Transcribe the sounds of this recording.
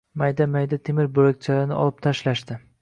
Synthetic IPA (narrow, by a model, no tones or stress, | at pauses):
majd̪amajd̪at̪ʰemɪɾbolak̚ʲt͡ʃʰalaɾnɪʔɒ̰lˠɪp̚t̪ʰaʃlaʃd̪ɪ